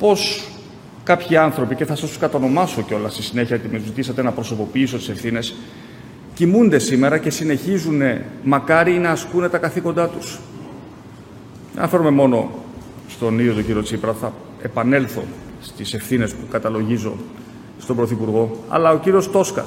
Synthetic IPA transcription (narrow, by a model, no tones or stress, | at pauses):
po̞s | kɐpçiɐnθɾo̞pice̞θɐsɐst̪u̥skɐt̪ono̞mɐso̞ceo̞lɐst̪isine̞çɐot̪imezit̪isɐt̪enɐpɾo̞so̞po̞piiso̞t̪i̥se̞fθine̞s | cimund̪e̞sime̞ɾɐce̞sine̞çizune̞mɐkɐɾinɐːskune̞t̪ɐkɐθiko̞nd̪ɐt̪us | ðḛɐnɐfe̞ɾume̞mo̞no̞ | st̪o̞niðjot̪ociɾio̞t͡sipɾɐθɐ | e̞̰pɐne̞lθo̞ | st̪ise̞fθine̞spukɐt̪ɐlo̞ʝizo̞̰ | st̪o̞mbɾo̞θipuɾɣo̞ɐ̰lɐo̞ciɾio̞st̪o̞skɐ̰